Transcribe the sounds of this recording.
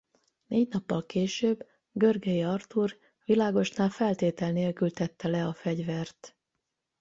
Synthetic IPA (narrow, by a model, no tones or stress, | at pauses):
neːɟnɒpːɒlkeːʃøːb | ɡørɡɛjiɒrt̪ur | ʋilaːɡo̞ʃnaːlfɛlt̪eːt̪ɛlneːlkylt̪ɛt̪ːɛlɛɒfɛɟvɛrt̪